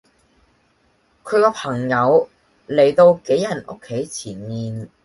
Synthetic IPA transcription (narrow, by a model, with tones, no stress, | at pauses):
kʰɵ˨˧ɥkɔː˧˥pʰɐ˨˩ŋjɐ˨˧w | le˨˩jt̪o˧wke˨˥jɐ˨˩no̰˥kʰːe˨˥jt͡sʰiː˨˩nmiː˨n